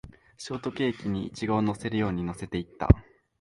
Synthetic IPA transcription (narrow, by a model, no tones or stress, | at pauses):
ɕo̞ːt̪o̞kʲe̞ːkʲiɲ̟iːt͡ɕiɡaono̞se̞ɾɯ̟jo̞ːɲ̟ino̞se̞t̪e̞it̪ːa̰